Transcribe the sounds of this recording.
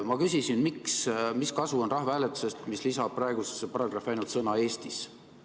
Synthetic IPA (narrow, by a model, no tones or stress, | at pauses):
mɑkysisinmiksmiskɑsuo̞nrɑɦvæːlet̪ːu̥se̞st̪mislisɑb̥̚pːrɑe̞ɡusesːepɑɾɑɡ̥rɑfɑjnult̪sɤnɑe̞ːst̪is